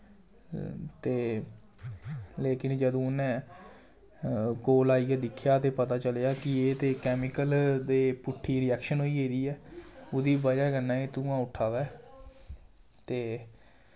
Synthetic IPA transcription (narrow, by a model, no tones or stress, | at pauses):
t̪eː | leːkɪnd͡ʒəd̪õːnẽː | koːlaːiːɡɛːd̪ɪkʰjaːt̪eːpət̪aːt͡ʃəlejaːkɪeːt̪eːkɛːmɪkəld̪eːpʊʈʰːiːɾɪɛːkʃənɦoːiːɦeːd̪iːɛːʊd̪iːbəd͡ʒaːkənːãːeːt̪ũːãːʊʈʰːaːd̪aː | t̪eː